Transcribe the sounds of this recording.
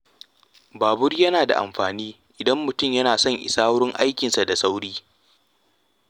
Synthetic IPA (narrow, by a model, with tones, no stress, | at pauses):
baː˨bʊ˦rjɐ˦naː˨da̰˨ʔa̰˨mɸaː˨niː˦ | ʔɪ˨dɐ˦mːʊ˨tʊ˦mjɐ˦naː˨sɔ˦˨ŋʔɪ̰˨saː˦ɽɪ˦ŋʔa˦jkʲɪ˨nsa˨da˨sa˦wɽiː˦